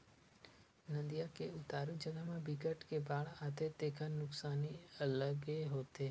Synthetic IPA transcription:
nə̃nd̪ijakeʊt̪aːɾũd͡ʒəɡamãbɪkəʈkebaːɭaːt̪et̪eːkʰanʊksaːniələɡeɦoːt̪eː

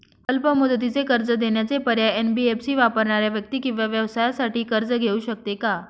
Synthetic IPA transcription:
əlpəmud̪ət̪̬it͡sekəɾd͡zəd̪eɳjat͡sepəɾjaenbiepsiːʋapəɾɳaɾjaʋjək̚t̪iːkĩw̃ʋaʋjəʋsajasaʈiːkəɾd͡zəɡʱeuːɕək̚t̪eka

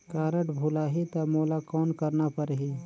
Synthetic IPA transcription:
kaːɾəʈbʱuːlaɦit̪ɐmoːlakɔːnkəɾnapəɾɦiː

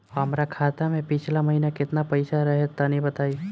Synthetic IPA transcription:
ɦɐmɾakʰaːt̪amẽpɪt͡ʃʰlamɐɦinakɪt̪napɐɪsaɾɐɦɛt̪ːanɦĩbət̪aːi

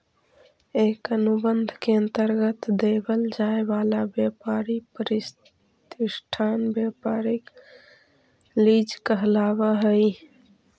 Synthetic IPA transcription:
ekənubənd̪ʱkeənt̪əɾɡət̪d̪ebəld͡ʒaebalabjapaɾipəɾis | t̪isʈʰanbjapaɾek | lid͡ʒkəɦlaβəɦəj

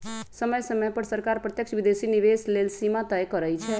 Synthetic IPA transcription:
səməjsəməjpəɾsəɾkaɾpɾət̪jəkʃʰʋid̪esiniʋeslelsimat̪əjkəɾəjt͡ʃʰɛ

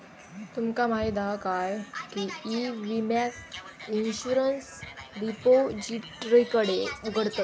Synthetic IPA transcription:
t̪umkamaɦid̪akajkiiʋimasinɕuɾənsɾipod͡ʑiɾikəɽeuɡʱəɽt̪ət̪

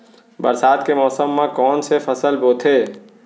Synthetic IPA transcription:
bəɾsaːt̪kemɔːsəmːãkɔːnsepʰəsəlboːt̪ʰeː

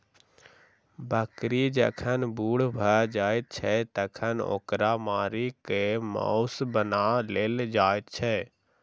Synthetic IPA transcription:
bəkɾid͡ʒəkʰənbuːɽbʱəd͡ʒaːet̪̚t͡ʃʰɛt̪əkʰəno̰ːkɾamaːɾikemɔ̰ʊsbənaleːld͡ʒaːet̪̚t͡ʃʰɛ

